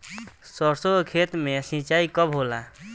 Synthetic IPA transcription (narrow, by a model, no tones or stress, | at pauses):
sɔɾsoɡkʰet̪mesĩt͡ʃaikɔbʱola